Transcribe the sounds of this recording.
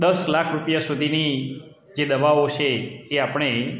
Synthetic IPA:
d̪əslakʰɾupjasud̪ʱini | d͡ʒed̪əʋaʋot͡ʃʰeːapəɳ̃e

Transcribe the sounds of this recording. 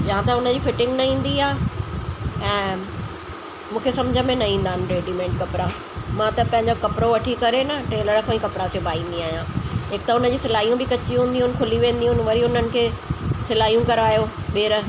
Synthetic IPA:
d͡ʑɐɦãt̪ɐʊnəd͡ʑiːfɪʈɪ̃ŋɡnɐĩːn̆d̪iaː | ɛ̃ː | mũːkʰesɐ̃md͡ʑʱəmẽnɐĩːn̆d̪aːɪnɪ̆ʈɾeːɖimẽːɳʈkɐpɾa | mãt̪ɐpɐ̃ɦɪ̃ɲd͡ʑokɐpɾoʋɐʈʰikɐɾenɐʈeːləɾkʰãĩkɐpɾasebaːĩːn̆d̪iaːɦijãːeːk̚t̪aɦʊnəd͡ʑiːsɪlaːijũbɪkɐt͡ɕiɦũːnd̪iɦʊnɪ̆kʰʊliʋẽːnd̪iɦʊnɪ̆ʋɐɾiʊnənɪ̆kʰeːsɪlaːijũkɐɾaːjoɓeːɾə

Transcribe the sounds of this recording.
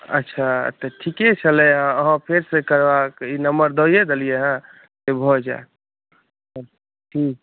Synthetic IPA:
ə̰tːʃʰaə̰t̪ːəʈʰiket͡ʃʰəleɦãəɦãpʰeɾsekəɾbakinəmbəɾd̪oijed̪əlijeɦã | sebʱɔd͡ʒa̰e | ɦi

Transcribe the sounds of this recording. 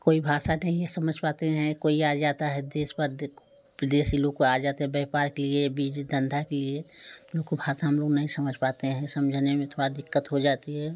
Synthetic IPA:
koːibʱaːsanɐɦĩjesɐməd͡ʒʱpaːt̪eɦɛ̃koːiad͡ʒaːt̪aɦɛd̪eːspəɾ | ʋɪd̪eːsiloːɡ̚koad͡ʒaːt̪eɦɛ̃bɛɦpaːɾkeliebiːd͡ʒd̪ʱə̃nd̪ʱakelieoːɡkobʱaːsaɦɐmloːɡnɐɦĩsɐməd͡ʒʱpaːt̪eɦɛ̃sɐmd͡ʒʱnemẽt̪ʰoːɽad̪ɪkːət̪ɦod͡ʒaːt̪iɦɛː

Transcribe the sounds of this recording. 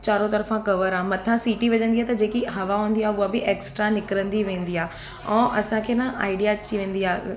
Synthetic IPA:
t͡ɕaːɾot̪ɐɾəfãkɐʋəɾaːɦmɐt̪ʰãsiːʈiʋɐʄə̃nd̪iɦaːt̪ɐd͡ʑeːkiɦɐʋaɦũːnd̪iaːɦeʊabɪʔeːksʈɾanɪkɾə̃nd̪iʋẽːn̆d̪iaː | ɛ̃ːʔɐsãkʰeːnãʔa̰ːɪɖijat͡ɕiʋẽːn̆d̪iaː

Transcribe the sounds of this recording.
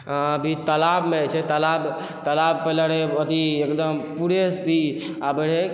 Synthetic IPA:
əbʱit̪əlabmet͡ʃʰɛt̪əlab | t̪əlabpələɽeət̪iekd̪əmpuɾest̪i | abəɽe

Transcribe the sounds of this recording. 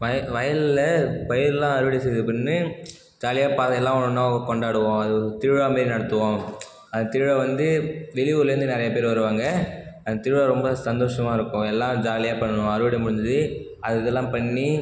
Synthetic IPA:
ʋɐʋɐjɐllɐpɐjɪɾlːãːɐɾɯʋɐɽisɛjðɯpɪnːɯ | d͡ʒaːlɪjaːpaːɐɛlːãːnnːaːɡɐkɔɳɖaːɽɯʋõːɐðɯt̪ɪɻɻʋaːmeːɾinɐɽɐt̪ːɯʋõː | ɐnd̪ɐt̪ɪɻɻɐʋɐnd̪ɯʋɛɭɪʋɯlɾɯnd̪ɯnɪɾɐjɐpeːɾʋɐɾɯʋaːŋɡɐɐnd̪ɐt̪ɪːɻʋaɾɔmbɐsɐnd̪oːʂɐmaːɪɾɯkːʊ̃ɛlːãːd͡ʒaːlɪjaːpɐɳːɐɳʊ̃ɐɾɯʋɐɽimʊɽɪnd̪ðɯ | ɐðɯɛlːãːpɐɳːi

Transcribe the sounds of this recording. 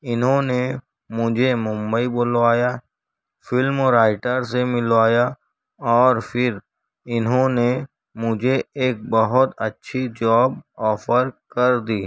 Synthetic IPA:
ɪnɦõne | mʊd͡ʒʱemʊ̃mbəiboːlʋaːja | fɪlmɾaːɪʈəɾs̬emɪlʋaːja | ɔːɾfʰɪɾ | ɪnɦõne | mʊd͡ʒʱeeːk̚bɐɦʊt̪ɐtːʃʰid͡ʒɔːbɔːfəɾkɐɾd̪iː

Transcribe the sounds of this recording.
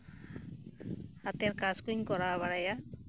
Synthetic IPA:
hat̪ɛɾkazkuɲkɔɾaβaɽaja

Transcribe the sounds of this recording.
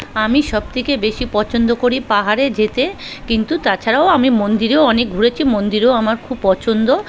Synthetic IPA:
amiʃɔb̚t̪ʰikebeʃipɔt͡ɕʰond̪okoɾipaɦaɾed͡ʑet̪ekint̪ut̪at͡ɕʰaɾaoamimond̪iɾeoɔnek̚ɡʱuɾet͡ɕʰimond̪iɾeoamaɾkʰubpɔt͡ɕʰond̪o

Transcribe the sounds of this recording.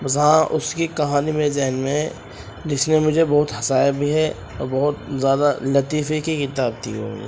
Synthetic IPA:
bɐsɦãʔʊskikɐɦaːnimẽzɛɦnmẽ | d͡ʒɪsnemʊd͡ʒʱebɔɦʊt̪ɦɐsaːjabʱiɦɛ | ɔːɾbɐɦʊt̪zjaːd̪alɐt̪iːfekikɪt̪aːb̚t̪iɦõ̰ːŋɡḭ

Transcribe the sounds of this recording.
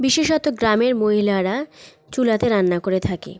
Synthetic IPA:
biʃeʃɔt̪oɡɾameɾmoɦilaɾa | t͡ɕulat̪eɾanːakoɾet̪ʰakḛ

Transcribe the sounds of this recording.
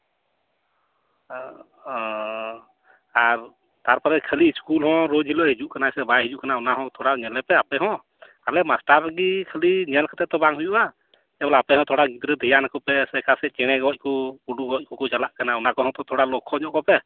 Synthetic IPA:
aɾ | t̪aɾpɔɾɛkʰəliːskulɦɔ̃ɾod͡ʒɦilɔɦid͡ʒuʔkanajsɛbajɦid͡ʒuʔkanaunaɦɔ̃t̪ʰɔɽaɲɛlɛpɛapɛɦɔ̃ | kalɛmasʈaɾɡikʰəliɲɛlkʰat̪ɛt̪ɔbaŋɦujuʔa | kɛbɔlaapɛɦɔ̃t̪ʰɔɽaɡit̪ɾɛd̪ʱijanakɔpɛsɛkʰasɛt͡ʃɛɽ̃ɛɡɔc̚ˀkɔpuɖuɡɔc̚ˀkɔkɔt͡ʃalaʔkanaunakɔɦɔ̃t̪ɔt̪ʰɔɽalɔkʰːɔɲɔʔkɔpɛ

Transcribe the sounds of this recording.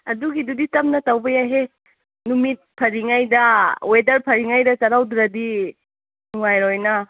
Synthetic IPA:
ɐduɡiduditɐmnɐtawbɐjaɦe | numit̚pʰɐɾiŋajdɐwedɐɾpʰɐɾiŋajdɐt͡ʃɐɾawdɾɐdi | nuŋajɾojnɐ

